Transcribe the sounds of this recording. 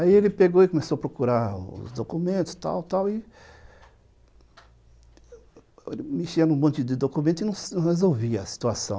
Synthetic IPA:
aielɪpeɡoɪkõmesoɐpɾokuɾaɾʊʊ̰zd̪okumẽnt̪ʊst̪a̰wt̪awɪ | ḛlɪmɪʃeɐnũmõnt̪d̪ɪd̪okumẽnt̪ʊɪnɐ̃w̃snɐ̃hezowviɐɐsi̥t̪uasɐ̰̃w̃

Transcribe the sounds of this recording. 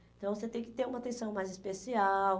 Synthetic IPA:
ẽt̪ɐ̃w̃voset̪ẽj̃kɪt̪eɾũmɐt̪ẽsɐ̃w̃majzispesiaw

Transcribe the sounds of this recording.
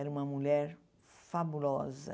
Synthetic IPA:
ɛɾɐũmɐmuʎɛɾ | fabulɔzɐ̰

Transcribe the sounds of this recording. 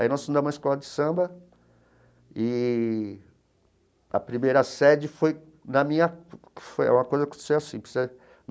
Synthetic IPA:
ainɔsm̃ũd̪ɐm̃ũɐɪskɔlɐd͡ʒɪsɐ̃bɐ | ɪ | ɐ̰pɾimejɾɐsɛd͡ʒɪfoj | nɐmĩɲɐkɪ̥fojɛ̰ũmɐkojzɐkõt̪e̥sewasĩpsɛ

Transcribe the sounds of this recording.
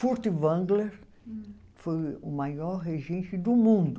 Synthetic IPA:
fuɾt̪ɪvɐ̃ɡleɾ | fojʊmajɔɾɦeʒẽnt͡ʃɪd̪ʊmũnd̪ʊ

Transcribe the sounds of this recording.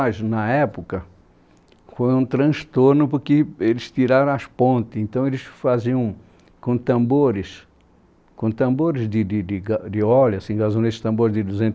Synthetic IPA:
aʒʊnɐɛpʊkɐ | fojũt̪ɾɐ̃st̪oɾnʊpʊɾkɪelɪst̪iɾaɾɐ̃w̃ɐspõnt̪ɪsẽnt̪ɐ̃w̃elɪsfaziɐ̃w̃ | kõt̪ɐ̃mboɾɪs | kõt̪ɐ̃mboɾɪzd̪ɪd̪ɪd̪ɪɡad̪ɪɔlasĩɡazũd̪esɪ̥st̪ɐ̃mboɾɪzd̪ɪd̪uzẽnt̪

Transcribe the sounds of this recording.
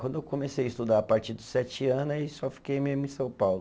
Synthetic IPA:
wɐ̃nd̪ewkomesejɐist̪ud̪aɾɐpaɾt͡ʃiɾd̪ʊsɛt͡ʃiɐ̃nʊaisɔfi̥kejmezmʊĩsɐ̃w̃pawlʊ

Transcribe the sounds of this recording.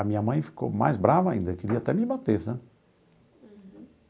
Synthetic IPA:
ɐmĩɲɐmɐ̃j̃fi̥ko̰ma̰jzbɾavɐaĩnd̪ɐekɪɾiɐat̪ɛmɪbat̪esɐ̃

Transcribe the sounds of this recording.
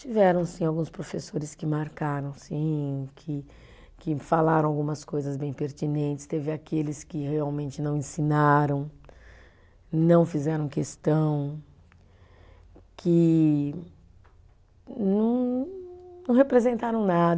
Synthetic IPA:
t͡ʃivɛɾɐ̃w̃sĩawɡũspɾofesoɾɪskɪmaɾkaɾɐ̃w̃sĩkʰɪ | kɪfalaɾɐ̃w̃awɡũmɐskojzɐzbẽj̃peɾt͡ʃ̪inẽnt͡ʃɪ̥st̪evɪakelɪskɪheawmẽnt͡ʃɪnɐ̃w̃ẽsinaɾɐ̃w̃ | nɐ̃w̃fizɛɾɐ̃w̃kest̪ɐ̃w̃ | kʰɪ | nɐ̃w̃ | nɐ̃w̃hepɾezẽnt̪aɾɐ̃w̃nad̪

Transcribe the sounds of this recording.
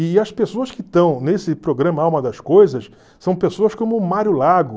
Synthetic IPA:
ɪɐspesoɐskɪt̪ɐ̃w̃nesɪpɾoɡɾɐ̃mɐawmɐd̪ɐskojzɐs | sɐ̃w̃pesoɐskõmʊmaɾʊlaɡʊ

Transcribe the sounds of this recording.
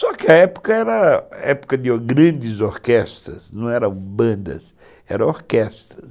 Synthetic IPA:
sɔkɪɐɛpʊ̥kɐɛɾɐɛpʊ̥kɐd̪ɪoɡɾɐ̃nd͡ʒ̪ɪzoɾkɛst̪ɾɐ̰snɐ̃w̃ɛɾɐ̃w̃bɐ̃nd̪ɐ̰s | ɛɾɐ̃woɾkɛst̪ɾɐs

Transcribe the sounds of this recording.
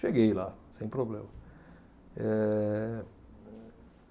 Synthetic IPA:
ʃeɡejlasẽj̃pɾoblẽmɐ | ɛ

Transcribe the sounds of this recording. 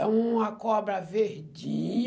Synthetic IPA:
ɐ̃w̃ũmɐkɔbɾɐveɾd͡ʒi

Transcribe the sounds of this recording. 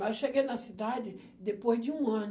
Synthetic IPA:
aʃeɡejnɐsid̪ad͡ʒ̪ɪ | d̪epojzdɪũɐ̃n

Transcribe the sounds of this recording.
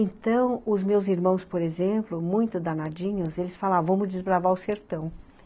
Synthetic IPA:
ẽnt̪ɐ̃w̃ʊzmewziɾmɐ̃w̃spoɾezẽmplʊmũj̃t̪ʊd̪anad͡ʒĩɲʊzelɪsfalãvɐ̃mʊd͡ʒɪzbɾavaʊseɾt̪ɐ̃w̃

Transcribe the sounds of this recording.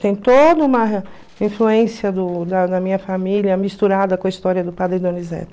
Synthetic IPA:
t̪ẽj̃t̪od̪ɐũmɐ | ĩfluẽsiɐd̪ʊd̪ɐd̪ɐmĩɲɐfamiljɐmist̪uɾad̪ɐkõɐist̪ɔɾiɐd̪ʊpad̪ɾɪd̪õnizɛ̰t̪

